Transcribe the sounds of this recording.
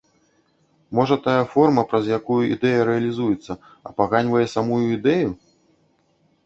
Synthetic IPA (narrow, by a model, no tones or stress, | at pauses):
mɔʐɐt̪ajɐfɔrmɐpɾɐzjakujuḭd̪ɛjɐɾɛɐlʲizujɛt̪sːɐ | ɐ̰paɣanʲvɐjɛsamujuid̪ɛju